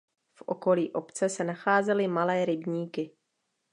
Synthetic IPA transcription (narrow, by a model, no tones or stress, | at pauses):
fʔo̞̰ko̞liːʔo̞pt͡sɛsɛnaxaːzɛlɪmalɛːɾɪbɲiːkɪ